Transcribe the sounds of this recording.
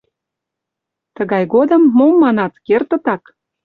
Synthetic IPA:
t̪əɣɑjɣod̪ə̆mːomːɑnɑt̪kert̪ə̆t̪ɑk

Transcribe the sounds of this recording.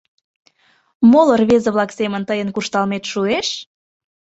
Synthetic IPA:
molərβezəβlɑksemənt̪əjənkuʃt̪ɑlmet̪ʃueʃ

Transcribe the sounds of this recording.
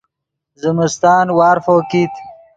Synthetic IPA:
zəmɪst̪ɑːnwɑːɾfoːkit̪

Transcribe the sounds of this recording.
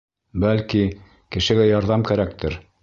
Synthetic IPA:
bælki | kɘ̆ʃɘ̆ɡæjɑɾðɑmkæɾæk̚t̪ɘɾ

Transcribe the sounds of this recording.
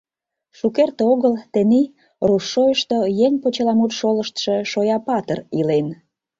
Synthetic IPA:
ʃukert̪oɣəlt̪eni | ruʃːojəʃt̪ojeŋʲpot͡ɕəlɑmut̪ʃoləʃt̪ʃe̽ʃojɑpɑt̪ərilen

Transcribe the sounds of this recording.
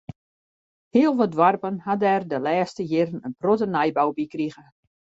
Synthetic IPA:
hiəlˠʋɔdʋarpənhadɛrdəlɛːstəjɪɾənənprotənajbawbikriɣə

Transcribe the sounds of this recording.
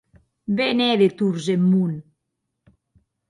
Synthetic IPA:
benɛðet̪uɾzemːun

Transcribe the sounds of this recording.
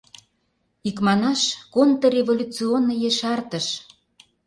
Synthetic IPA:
ikmɑnɑʃkont̪ɤrʲevolʲut͡sionːəjeʃɑrt̪ə̆ʃ

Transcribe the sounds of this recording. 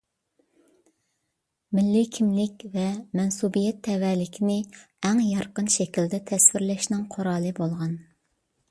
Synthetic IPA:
mɪlːɪkʲʰimlɪkʲvɛmɛnsubijɛt̪ʰːɛwɛlɪkʲʰinɪ | ɛŋjɑɾqənʃɛkʲild̪ɛt̪ʰɛswɪɾlɛʃnɪŋqʰoɾɑːlˠɨbolˠʁɑn

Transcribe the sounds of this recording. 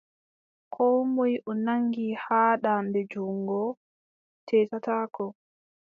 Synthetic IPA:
kʰɔwmɔjʔɔnaŋɡihaːɗambɛd͡ʒuŋɡɔ | tʰɛːtataːkɔ

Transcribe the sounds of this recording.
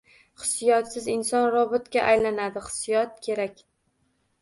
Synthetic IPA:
χɨ̥sjɒt̪sɪzɪnsɒnɾɒbɪt̪kʲaʔajlanad̪ɪχɨ̥sijɒt̪̚kʲʰe̞ɾakʲ

